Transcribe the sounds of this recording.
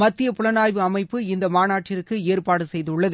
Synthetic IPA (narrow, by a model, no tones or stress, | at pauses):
mɐt̪ːɪjɐpʊɭɐnaːjʋɯɐmɐɪpːɯɪnd̪ɐmaːnaːʈːɪɾɯkːɯeːrpaːɽɯsɛjðɯʊɭːɐðɯ